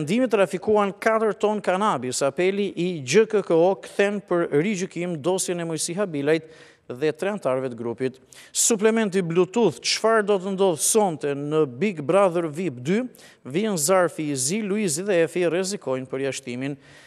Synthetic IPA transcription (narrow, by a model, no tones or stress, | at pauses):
ɛnd̪imit̪ːɾafikuankat̪əɾt̪ɔnkanabisapɛliʔid͡ʒəkəkəɔkθɛnpəɾɾid͡ʑykimd̪ɔsjɛnɛmujsiɦabilajt̪ | ðɛt̪ɾɛant̪aɾvɛt̪əɡɾupit̪ | suplɛmɛnt̪̬iblut̪uðt͡ʃfaɾd̪ɔt̪ənd̪ɔðsɔnt̪ɛnəbiɡbɾaðuɾvipd̪y | viɛnzaɾfiziluiziðɛɛfirɛzikɔjnpəɾjaʃt̪imin